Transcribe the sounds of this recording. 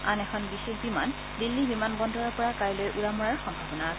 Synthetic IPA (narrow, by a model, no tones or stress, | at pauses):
anɛkʰɔnbixexbiman | dilːibimanbɔndɔɹɔɹpɔɹakajlojʔuɹamɔɹaɹxɔmbʱabɔnak